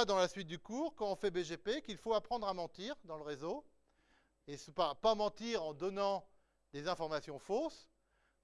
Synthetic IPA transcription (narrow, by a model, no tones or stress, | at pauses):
ad̪ɑ̃lasɥit̪̚d̪ykuːʁkɑ̃ɔ̃fɛbeʒepekilfoapχɑ̃d̪ʁamɑ̃t̪iːʁd̪ɑ̃ləʁezo | esəpapamɑ̃t̪iʁɑ̃d̪ɔnɑ̃ | d̪ezɛ̃fɔʁmasjɔ̃fos